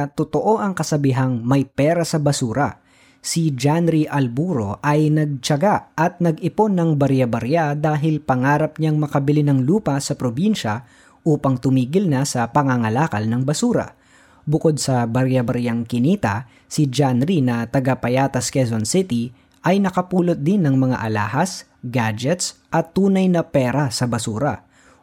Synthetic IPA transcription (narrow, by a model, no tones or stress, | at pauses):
t̪ot̪oʔo̞ʔɐŋkɐsɐbiɦaŋmɐjpɛːɾɐsɐbɐsuːɾɐ̰ | sid͡ʒanɾiʔɐlbuːɾo̞ʔɐjnɐɡ̚t͡ʃɐɡaʔʔɐt̪̚nɐɡɪponːɐŋbɐɾjabɐɾjad̪aːɦɪlpɐŋaːɾɐp̚ɲaŋmɐkɐbɪlɪnɐŋluːpɐsɐpɾobinʃɐ | ʔuːpɐŋt̪ʊmiːɡɪlnɐsɐpɐŋaŋɐlaːkɐlnɐŋbɐsuːɾɐ̰ | bʊko̞d̪̚sɐbɐɾjɐbɐɾjaŋkɪniːt̪ɐ | sɪd͡ʒanɾinɐt̪ɐɡapɐjaːt̪ɐskɛzonsɪt̪i | ʔɐjnɐkɐpuːlot̪̚d̪ɪnːɐŋmɐŋa̰ʔɐla̰ːhɐs | ɡad͡ʒɛt̪sʔɐt̪ːuːnɐjnɐpɛːɾɐsɐbɐsuːɾɐ̰